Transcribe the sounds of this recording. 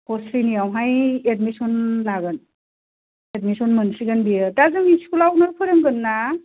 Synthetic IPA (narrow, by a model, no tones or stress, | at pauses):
hɔsijnijawɦajet̚misɔnlaɡan | edmisɔnmɯnsiɡanbiətazɯŋiskulaw̚naɾpʰɯɾemɡɯnːa